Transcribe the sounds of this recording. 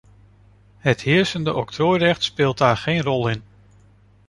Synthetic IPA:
həthɪəɹsəndəʔɔk̚tʰroːjrɛχtspɪːlˠt̚daːɹχeːnrɔlˠɪn

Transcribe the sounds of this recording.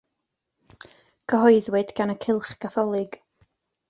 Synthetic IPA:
ɡ̥əɦɔɨðwɛdɡ̥anəkʰɪlˠχɡ̥aθɔlˠɪɡ̥

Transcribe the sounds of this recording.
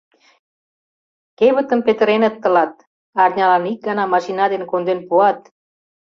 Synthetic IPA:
keβə̆t̪ə̆mpet̪ə̆ɾenət̪ːə̆lɑt̪̚ | ɑrnʲɑlɑnik̚ɡɑnɑmɑʃinɑd̪enkond̪enpuɑt̪̚

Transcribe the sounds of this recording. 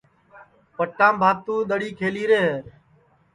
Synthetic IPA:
pəʈːãːmbʱaːt̪ũːɗ̪əɽiːkʰeːliːɾeːɦeː

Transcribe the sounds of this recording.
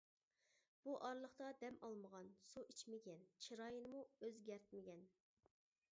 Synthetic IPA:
b̥uʔɑɾlˠəχt̪ɑd̪ɛmɑlˠməʁɑnsuʔit͡ʃmɪɡʲɛnt͡ʃʰiɾɑjɨnɨmuøzɡʲɛɾt̪̚mɪɡʲɛn

